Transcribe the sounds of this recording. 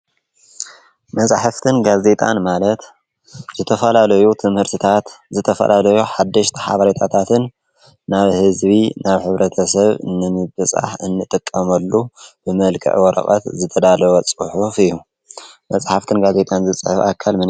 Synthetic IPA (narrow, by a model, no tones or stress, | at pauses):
mɐt͡sʼħaft̪ʰɨnɡaze̞t̪ʼa̰nmalɐt̪ | z̥ɨt̪ʰɐfɐlalɐjut̪ʰɨmhɨɾt̪ʰɨt̪ʰat̪zɨt̪ʰɐfɐ̰lʔalɐjuħad̪ːɐʃt̪ʰi̥ħa̰βɐɾet̪ʰat̪ʰat̪ʰɨnː | aβhɨzβinʔaβħɨβɾɐt̪ʰɐsɐβɨnɨmɨbɨsʼa̰ħɨnːɨt̪ʼɨkʼːɐmɐlːub̥ɨmɐlkʰɨ̰ʕwɔɾɐ̰χʼɐ̰t̪zɨt̪ʰɐd̪alɐwot͡sʼɨħufɨju | mɐt͡sʼħaft̪ʰɨnɡaze̞t̪ʼanzɨt͡sʼɨħʊfakʰːalmɨn